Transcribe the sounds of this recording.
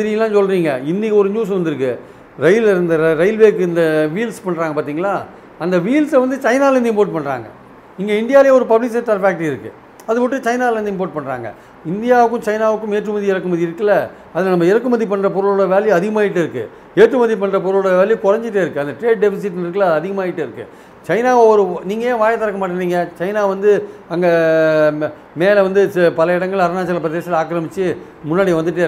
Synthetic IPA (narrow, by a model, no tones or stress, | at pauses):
ɪɾɪlːãːnsɔlɾiːŋɡɐɪnːikɔɾɯɲuːs̬ʋɐnd̪ɯɾɯkːɯ | ɾɐɪlnd̪ɐɾɐɪlʋeːkɯɪnd̪ɐʋiːlspɐɳːɾaːŋɡɐpaːɾt̪iːŋɡɐlːaː | ɐnd̪ɐʋiːlsʋɐnd̪ɯt͡ʃɐɪnaːlɐnd̪ɪmpoːɾʈ̚pɐɳːɾa̰ːŋɡɐ̰ | ɪŋɡeɪnd̪ɪjaːljeːɔɾɯpɐblɪksɛʈːaːlfaːk̚ʈɾiɪɾɯkːɯ̰ | ɐðɯpɔʈːɯt͡ʃɐɪnaːlʋɐnd̪ɯɪmpoːɾʈ̚pɐɳːɾa̰ːŋɡɐ̰ | ɪnd̪ɪjaːʋɯkːɯ̃mt͡ʃɐɪnaːʋɯkːʊ̃meːʈrɯmɐðiɪɾɐkːɯmɐðiɪɾɯkːɐlːɐ | ɐðɯlnɐmːɐɪɾɐkːɯmɐðip̬ɐɳrɐp̬ɔɾɯlɔɽɐʋeːlijɐðɪɣɐmaːɪʈːɯɪɾɯkːɯ̰ | eːʈrɯmɐðip̬ɐɳrɐp̬ɔɾɯlːɽɐʋeːlikɔɾɐɲd͡ʒɪʈ̬ːeːɪɾɯkːɯɐnd̪ɐʈɾeːɖ̚ɖɛfɪs̬ɪʈːnɪɾɯkːɐlaːðɯɐðɪɣɐmaːɪʈːɯɪɾɯkːɯ̰ | t͡ʃɐɪnaːɔɔɾɯniːŋɡɐjẽːʋaːjɐt̪ɐɾɐkːɐmaːʈːɐnːiːŋɡɐt͡ʃɐɪnaːʋɐnd̪ɯɐŋɡɐ | meːlɐʋɐnd̪ɯpɐlɐɪɽɐŋɡɐɭɐɾɐnaːt͡ʃːɐlɐpɾɐðeːsɐlaːkɾɐmɪt͡ʃːɯ | mʊnːaːɽɪjʋɐnd̪ɯʈ̬ːeː